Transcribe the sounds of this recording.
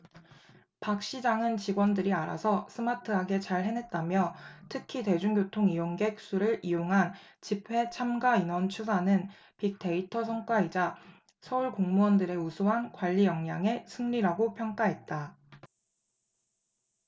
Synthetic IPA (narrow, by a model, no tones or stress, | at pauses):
pak̚ɕ͈id͡ʑaŋɯnt͡ɕiɡwʌndɯɾiaɾa̰sʰʌsʰɯmatʰɯɦaɡe̞t͡ɕaɭɦe̞nɦe̞t̚t͈amjʌtʰɯkʰite̞d͡ʑuŋɡjotʰoŋijoŋɡe̞k̚s͈uɾɯɾijoŋɦant͡ɕipʰwe̞t͡ɕʰamɡainwʌnt͡ɕʰusʰanɯn | pik̚t͈e̞itʰʌs̬ʰʌŋk͈waid͡ʑa | sʰʌuɭkoŋmuʌndɯɾe̞usʰoɦankwaʎːijʌŋɲaŋe̞sʰɯŋʎiɾaɡopʰjʌŋk͈aɦe̞t̚t͈a